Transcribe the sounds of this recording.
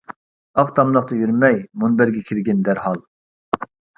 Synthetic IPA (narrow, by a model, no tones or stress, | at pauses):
ɑqt̪ʰɑmlˠəqt̪ɑjyɾmɛjmunbæɾɡʲɛkʲʰiɾɡʲɛnd̪æɾhɑlˠ